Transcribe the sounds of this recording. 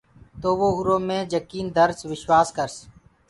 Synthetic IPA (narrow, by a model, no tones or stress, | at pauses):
t̪oːʋoːɦʊɾõːmẽːd͡ʒəkiːnd̪əɾsʋɪʃwaːskəɾs